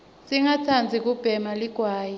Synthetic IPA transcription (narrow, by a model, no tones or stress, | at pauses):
siŋat͡sʰand͡zʱik̬ub̥ʱɛmaliɡ̥ʱwaːji